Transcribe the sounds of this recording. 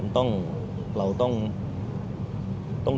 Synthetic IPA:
nt̪ʊ˥˩ŋ | lɐ˧wt̪ʊ˥˩ŋ | t̪ʊ˥˩ŋ

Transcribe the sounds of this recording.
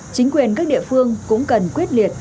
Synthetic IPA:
t͡ɕï˨˦ŋ̟kwi˨˩ənkaː˦˥k̚ɗḭ˧˨əfɨ˧əŋkʊ̰˧˥ŋ͡mkə˨˩nkwi˦˥ət̚li˨˩ət̚

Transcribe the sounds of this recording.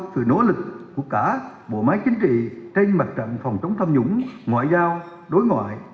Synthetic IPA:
t̚sɨ̰˧˩˨no̰˧˥lɨ˨˩k̚ːu˧˩əkaː˧˩ | ɓo̰˧˨maː˨˦jt͡ɕï˨˦ŋ̟t͡ɕḭ˧˨t͡ɕe˧nma˨˩t̚t͡ɕə̰˧˨nfa˨˩wŋ͡mt͡ɕə˨˦wŋ͡mt̪ʰə˧mɲʊ̰˨˧˥ŋ͡mŋwa̰ː˧˨jzaː˧w | ɗo˨˦jŋwa̰ː˧˨jʔ

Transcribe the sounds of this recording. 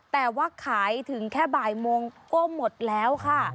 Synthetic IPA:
t̪ɛː˨˩wa˧˥˩kʰːaː˩˦jt̪ʰɯ˩˦ŋkʰɛː˥˩baː˨˩jmoː˧ŋkɔ˥˩mo˨˩t̪̚lɛː˦˥wkʰa˥˩

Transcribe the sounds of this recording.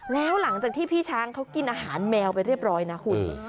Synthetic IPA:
lɛː˦˥wla˩˦ŋt͡ɕaː˨˩k̚t̪ʰiː˥˩pʰiː˥˩t͡ɕʰaː˦˥ŋkʰa˦˥wki˧nʔaː˧ɦaː˩˦nmɛː˧wpa˧jɾi˥˩p̚ɾɔː˦˥jna˦˥kʰu˧˩n

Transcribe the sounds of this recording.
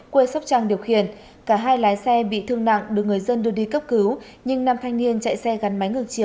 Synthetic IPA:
kwe˧sa˦˥k͡p̚t͡ɕaː˧ŋɗi˨˩əwxḭ˧˨ən | kaː˧˩ɦaː˧jlaː˨˦jsɛ˧ɓḭ˧˨t̪ʰɨ˧əŋna̰˧˨ŋɗɨ˨˩ək̚ŋɨ˨˩əjzə˧nɗɨ˧əɗi˧kə˦˥p̚kɨ˨˦w | ɲɨ˧ŋnaː˧˩mt̪ʰa˧jŋ̟ni˧ənt͡ɕa̰˧˨jsɛ˧ɣa˨˦nma˨˦jŋɨ˨˩əŋ̚t͡ɕi˧˩əw

